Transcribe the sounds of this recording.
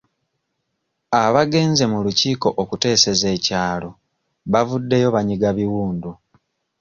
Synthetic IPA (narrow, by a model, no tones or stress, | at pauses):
aβaɡe̞ːnze̞muluciːko̞ʔokute̞ːse̞ze̞ːcaːlo̞ | βavudːe̞jo̞βaɲiɡaβiwuːndu